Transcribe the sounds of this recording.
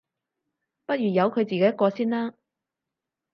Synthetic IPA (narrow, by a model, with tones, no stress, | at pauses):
pɐ˥t̚jyː˨˩jɐ˨˧wkʰɵ˨˧ɥt͡siː˨ke˨jkɔː˧siː˥nlaː˥